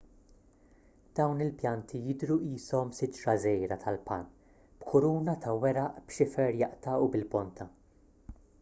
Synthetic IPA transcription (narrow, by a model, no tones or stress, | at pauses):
d̪̥ɐwnɪlpjɐnt̪ʰijɪd̪ɾuiːsɔmsɪt̪ːɾɐzɛjɾɐt̪ʰɐlpɐ̰n | b̥kʰʊɾuːnɐt̪ʰɐwɛɾɐʔbʃɪfɛɾjɐʔt̪ɐubɪlbɔnt̪ʰɐ